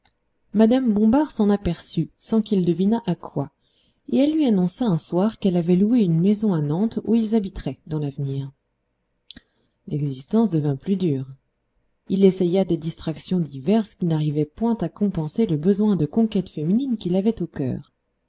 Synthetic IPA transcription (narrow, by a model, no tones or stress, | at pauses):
mad̪ambɔ̃baʁsɑ̃napɛʁsysɑ̃kild̪əvinaʔakwa | eɛlːɥianɔ̃saɛ̃swaʁkɛlavɛlueynmezɔ̃anɑ̃t̪uilzabit̪χɛd̪ɑ̃lavniːʁ | lɛɡzist̪ɑ̃sd̪əvɛ̃plyd̪yːʁ | ilesɛjad̪ed̪ist̪χaksjɔ̃d̪ivɛʁskʲinaʁivɛpwɛ̃t̪akɔ̃pɑ̃seləbəzwɛ̃d̪əkɔ̃kɛt̪femininkʲilavɛt̪okʲœ̰ːʁ